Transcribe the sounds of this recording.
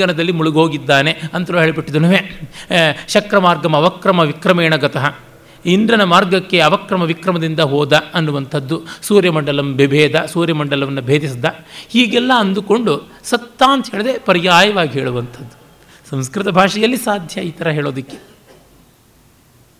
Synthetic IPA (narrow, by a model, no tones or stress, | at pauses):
ɐnɐd̪ɐlːimuɭuɡoːɡid̪ːaːne̞ɐnt̪ɐlɦeːɭibiʈːid̪unuːʋe | ʃɐkɾɐmaːɾɡɐmɐʋɐkɾɐmɐʋikɾɐmeːɳɐɡɐt̪ɐɦɐ | ind̪ɾɐnɐmaːɾɡɐkːe̞ɐʋɐkɾɐmɐʋikɾɐmɐd̪ind̪ɐɦoːd̪ɐɐnːuʋɐnt̪ʰɐd̪ːusuːɾjɐmɐɳɖɐlɐmbebʱɛːd̪ɐsuːɾjɐmɐɳɖɐlɐʋɐnːɐbʱeːd̪isid̪ɐhiːɡɛlːɐɐnd̪uko̞ɳɖu | sɐt̪ːaːnt̪ɐɦeːɭed̪epɐɾijaːjɐʋaːɡiɦeːɭuʋɐnt̪ʰɐd̪ːu̥ | sɐ̃mskɾɪt̪ɐbʱaːʂɐjɐlːisaːd̪ʱjɐiːt̪ɐɾɐɦeːɭoːd̪ɐkːe̥